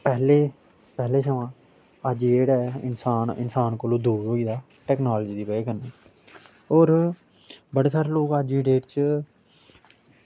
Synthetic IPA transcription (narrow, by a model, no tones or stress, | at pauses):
pɛːleː | pɛːleːʃəʋãː | əd͡ʒieːɽɛːɪ̰nsaːnɪ̰nsaːnkolõːd̪uːɾɦoːiːd̪aː | ʈɛːknaːld͡ʒiːd̪iːpɛeːkəneː | oːɾ | bəɽeːsaːɾeːloːkəd͡ʒiːɖeːʈt͡ʃ